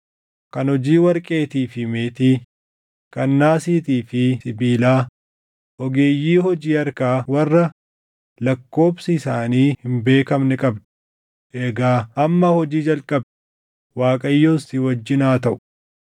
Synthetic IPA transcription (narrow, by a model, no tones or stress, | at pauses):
kɐnhɔd͡ʒiːwɐɾkʼe̞ːt̪iːfɪmeːt̪iː | kɐnːaːsiːt̪iːfɪsɪbiːlaː | ʔɔɡe̞ːjːiːhɔd͡ʒiːɐɾkaːwɐrːɐ | lɐkːo̞ːbsɪɪsaːniːhɪmbe̞ːkɐmnɛkʼɐbd̪ɛ̥ | ʔɛɡaːɐmːɐhɔd͡ʒiːd͡ʒɐlkʼɐb̚d̪ | waːkʼɐjːoːsɪwɐd͡ʒːɪnaːt̪ɐʔʊ̥